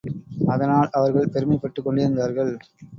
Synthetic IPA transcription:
ɐðɐnaːɭʔɐʋɐɾɣɐɭpɛɾɯmɐɪpːɐʈːɯkːɔɳɖɪɾɯnd̪aːɾɣɐɭ

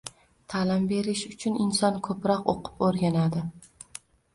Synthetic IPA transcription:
t̪ʰalɪmbe̞ɾɪʃʊt͡ʃʰʊnɪnsɒnkʰɵpɾɒqo̰qʰɨ̥poɾɡʲanad̪ɪ

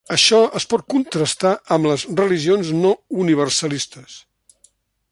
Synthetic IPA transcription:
əʃɔəspɔt̪̚kunt̪ɾəst̪aʔəmləzrəliʒionznɔuniβ̞ərsəlist̪əs

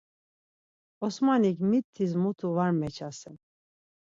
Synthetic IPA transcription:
ɔsmanikmit̪ʰːizmut̪ʰuvaɾmɛt͡ʃʰasɛn

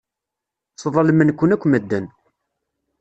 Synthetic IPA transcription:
sˤəðˤɑlmənkʷːənækʷːməd̪ːən

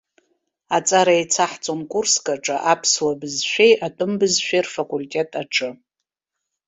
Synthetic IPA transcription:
at͡sʼaɾajt͡sʰaħt͡sʼonkʷʼurskʼaʈ͡ʂʼaʔapʰslabɨzʃʷᶣejatʼɨmbɨzʃᶣejrfakʼulʲtʼe̞tʼaʈ͡ʂʰʼɨ

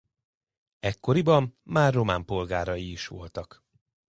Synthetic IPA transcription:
ɛkːo̞ɾibɒmːaːrːo̞maːmpo̞lɡaːɾɒjiːʃʋo̞̰lt̪ɒk

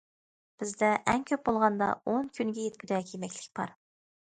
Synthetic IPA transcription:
b̥ɪzd̪ɛʔɛnkʲʰøp̚bolˠʁɑnd̪ɑ̰onkʲʰynɡʲɛjet̪̚kʲyd̪ɛkʲʰemɛkʲlɪ̥kʲbɑ̰ɾ

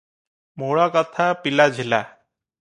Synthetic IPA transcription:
moɽɔkɔt̪ʰapilad͡ʒʱila̰

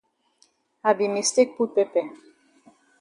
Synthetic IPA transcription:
abimist̪ek̚put̪̚pepɛ

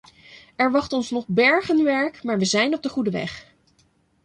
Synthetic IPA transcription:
ɛɹʋɑχtɔnsnɔχbɛɹχənʋɛɹkmaːɹʋəzɛjnɔb̚dəχudəʋɛ̰χ

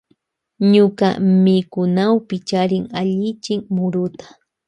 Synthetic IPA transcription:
ɲʊka̰mɪkʊnawpɪt͡ʃaɾɪŋaʎɪt͡ʃɪŋmʊɾʊt̪ḁ

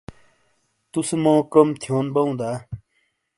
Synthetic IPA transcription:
t̪usemɔ̃ːkʌmt̪ʰjoːnbʌũd̪a

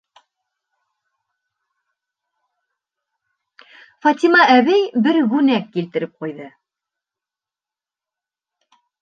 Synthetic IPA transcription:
fɑt̪ʲimɑʔæβæjbɘɾɣʉnækːilt̪ɘ̆ɾɘp̚qujðɤ

